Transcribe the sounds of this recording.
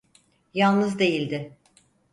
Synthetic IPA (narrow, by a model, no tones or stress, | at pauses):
jalˠnɯzd̪e̞jilʲd̪ɪ